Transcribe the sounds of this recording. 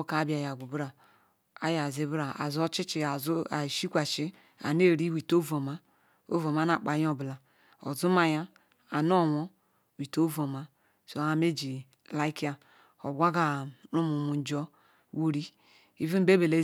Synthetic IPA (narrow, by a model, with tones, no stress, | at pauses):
ka˨˦bi˨a˨ja˨ɡʷu˨bɾa˨ | a˦ja˨zi˨bɾa˨a̰˨zo˦t͡ʃi˦t͡ʃi˨a˨za˨ʃi˦kʷa˨t͡ʃi˦ | a̰˨ne˦˨ɾi˦wi˨to˦vo˨ma˨ | o̰˦vo˨m˨a˨˦na˨k͡pa˨jo˦˨bla˨ | o̰˨zu˦ma˨ja˦ | a˨no˦˨wo˦ | wi˨to˦vo˨ma˨ | so˨a˨me˦d͡ʒi˨ | la˦i˦ki˦a˨ | o̰˨bʷa˦ɡa˨ɾu˦mu˨mu˨n˨d͡ʒo˦ | wu˨ɾi˦ | i˦vi˦m̩˦be˦be˨le˦